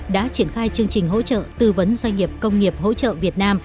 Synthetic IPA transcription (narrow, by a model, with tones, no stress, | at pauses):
ɗa̰ː˧˥t͡ɕi˧˩ənxaː˧jt͡ɕɨ˧əŋt͡ɕï˨˩ŋ̟ɦo̰˧˥t͡ɕə̰ː˧˨t̪ɨ˧və˨˦nzwa˧jŋ̟ŋːi˨˩əp̚kə˧wŋ͡mŋi˨˩əp̚hɦo̰˧˥t͡ɕə̰ː˧˨vi˨˩ət̚naː˧m